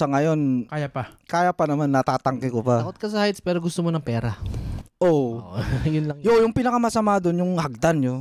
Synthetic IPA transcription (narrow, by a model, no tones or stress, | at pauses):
sɐŋɐjo̞nkaːjapakaːjɐpɐnɐmanːɐt̪aːt̪ɐŋkɪkopɐkot̪̚kɐs̬ɐhjt̪spɛːɾoɡʊst̪omonɐŋpɛːɾɐʔo | jʊnlɐjojʊŋpinɐkɐmɐsɐmaːd̪onjʊŋhaɡ̚d̪anɲo